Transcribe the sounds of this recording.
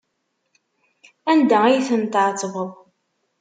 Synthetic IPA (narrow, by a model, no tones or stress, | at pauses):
ænd̪ææjθənt̪ʕt͡sːvəðˤ